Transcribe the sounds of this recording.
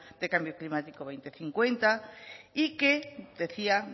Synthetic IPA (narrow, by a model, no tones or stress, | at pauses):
d̪̥ekambjoklimat̪ikoβejnt̪eθiŋkwent̪aiked̪eθia